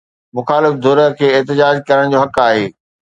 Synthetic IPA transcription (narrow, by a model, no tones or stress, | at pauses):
mʊxaːlɪfd̪ʱoːɾəkʰeːɪɦt̪ɪd͡ʑaːd͡ʑkɐɾəɽ̃d͡ʑoːɦɐkaːɦeː